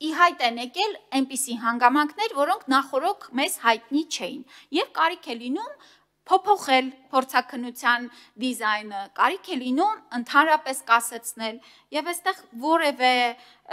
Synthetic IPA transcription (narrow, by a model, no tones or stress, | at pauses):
iɦɑjt̪ɛnɛkɛlɛnpisiɦɑŋɡɑmɑŋkʰnɛɾvɔɾɔŋkʰnɑχɔɾɔkʰmɛz̥hɑjt̪̚nit͡ʃʰɛjinjɛvkɑɾikʰɛlinum | pʰɔpʰɔχɛlpʰɔɾt͡sʰɑkʰənːut͡sʰjɑn | d̪izɑjnəkɑ̰ɾikʰɛlinumənt̪ʰɑnɾɑpɛskɑsɛt͡sʰnɛl | jɛvɛst̪ɛʁvɔɾɛvɛ